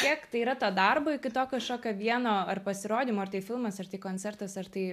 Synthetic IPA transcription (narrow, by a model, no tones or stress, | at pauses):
kʲiɛkt̪ɐɪiːɾɐt̪ɐːd̪ɐrboːɪkʲɪt̪oːkʲoʃkoːkʲoːʋʲiɛnoːɐrpɐsʲɪɾoːd̪ʲimoːɐrt̪ɐɪfʲɪlˠmɐsɐrt̪ɐɪkoːnʲt͡s̪ʲɛrt̪ɐsɐrt̪ɐɪ